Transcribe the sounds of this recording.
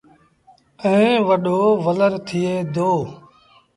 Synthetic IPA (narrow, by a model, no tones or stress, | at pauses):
ə̃ĩːʋəɗoːʋələɾt̪ʰɪeːd̪oː